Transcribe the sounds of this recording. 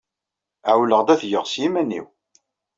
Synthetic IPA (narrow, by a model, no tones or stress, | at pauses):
ʕwləʁd̪æθjəʁsjimænːḭw